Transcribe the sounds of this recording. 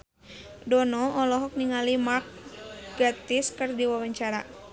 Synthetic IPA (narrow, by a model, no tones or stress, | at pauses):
dɔnɔʔɔlɔɦɔk̚niŋalimak̚ɡat̪iskərdiwawaɲt͡ʃaɾa